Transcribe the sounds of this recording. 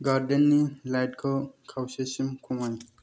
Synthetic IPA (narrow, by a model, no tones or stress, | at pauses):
ɡaɾdenːilajtkʰɔkʰawsesimkʰuŋaj